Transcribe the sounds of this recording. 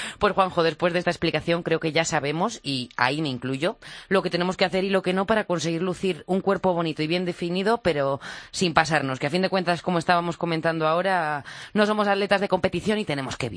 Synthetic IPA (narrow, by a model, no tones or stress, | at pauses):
pwe̞sxwaŋxo̞ð̞e̞spwe̞zðest̪aesplikaθjo̞ŋkɾe̞oke̞ʝasaβe̞mo̞sia̰ime̞iŋkluʝo̞lo̞ket̪e̞ne̞moskeaθe̞ɾilo̞ke̞no̞paɾako̞ns̬e̞ɣ̞iɾluθiɾuŋkwe̞ɾpo̞βo̞nit̪oiβje̞nd̪e̞finið̞o̞pe̞ɾo̞simpasaɾno̞skeafind̪e̞kwe̞nt̪asko̞moe̞st̪aβamo̞sko̞mẽnt̪and̪oao̞ɾano̞so̞mo̞saðle̞t̪azðe̞ko̞mpe̞t̪iθjo̞nit̪e̞ne̞mo̞ske̞βḭ